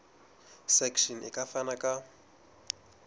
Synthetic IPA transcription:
sɛkʃɔnɪ̰kʼafanakʼa

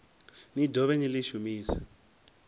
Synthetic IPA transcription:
nidʱɔɓeniliʃumiːsḁ

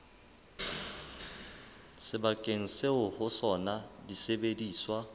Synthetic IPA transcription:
sɪbakʼeŋ̩seʊhʊsɔnadisebediːswa

